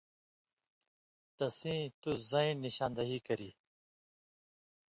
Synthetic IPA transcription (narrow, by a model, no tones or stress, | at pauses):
t̪ɐsĩːt̪uzɐĩnːiɕãːnd̪ɐɦiːkɐɾiː